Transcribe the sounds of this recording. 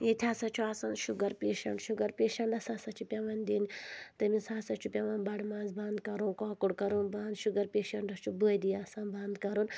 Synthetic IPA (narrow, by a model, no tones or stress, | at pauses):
jet̪ʰʲaːsɐt͡ʃʰuaːsɐnʃuɡɐɾpʲeːʃɐ̰ɳɖʃuɡɐɾpʲeːʃɐɳɖɐsaːsɐt͡ʃʰupʲɐʋɐnd̪int̪ɐminsaːsɐt͡ʃʰupʲɐʋɐnbɐɽmaːnzbɐnd̪kɐɾũːkɔːkuɽkɐɾũːnbɐːnd̪ʃuɡɐɾpʲeːʃɐɳɖɐst͡ʃʰubuːd̪ijaːsɐnbɐnd̪kɐɾun